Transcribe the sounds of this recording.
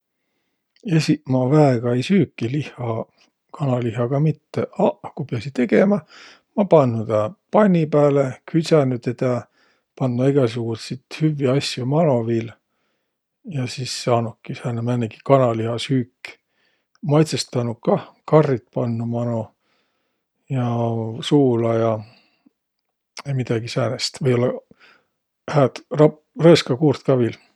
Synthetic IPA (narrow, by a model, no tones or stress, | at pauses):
esimɑvæeɡ̥ɑejsyːkːilihˑɑ | kɑnɑliɦɑɡ̥ɑmit̪ːeɑkupeɑsit̪e̞ɡ̥e̞mɑ | mɑpɑnːut̪ɑpɑnʲːipæːlekʰysænyt̪et̪ɑ | pɑnd̪uɑiɡ̥ɑs̬uɡ̥ut̪sit̪hyvːiɑsjomɑno̞vil | jɑsisːɑːnukːisæːnemænːeɡi̥kɑnɑlihɑshyːkː | mɑjt̪sest̪ɑnukɑkɑrːit̪̚pɑnːumɑno | jɑsuːlɑjɑ | mid̪̥ɑɡ̥isæːnest̪vɤjo̞lːɑ | hæːt̪rɑ | rɤːskɑkuːrt̪kɑvil